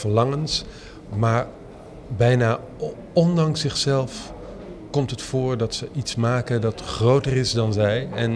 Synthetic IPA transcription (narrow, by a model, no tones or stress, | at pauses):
vəɹlɑŋəns | maːɹ | bɛjnaː | ɔndɑŋsɪχsɛlˠf | kɔmtɦətfʊːɹdɑtsəʔitsmaːkəndɑtχrowtərɪzdɑnzɛjɛn